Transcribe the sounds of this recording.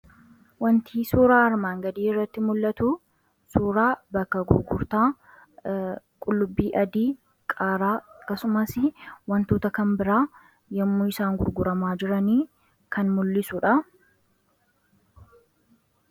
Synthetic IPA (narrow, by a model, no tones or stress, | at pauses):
wɐnt̪ʰiːsuːɾaːɐɾmaːŋɡɐd̪iːɪrːɐt̪ːɪmʊlːɐt̪u | suːɾaːbɐkːɐɡʊ̰ɾɡʊ̰ɾt̪aː | kʼʊlːʊbːiːʔɐd̪iː | kʼaːɾaːɐkːɐsʊmɐsɪwɐnt̪oːt̪ɐkɐmbɪɾaː | jɐmːuːɪsaːŋɡʊɾɡʊɾɐmaːd͡ʒɪɾɐniː | kɐnmʊlːɪsuᶑɐ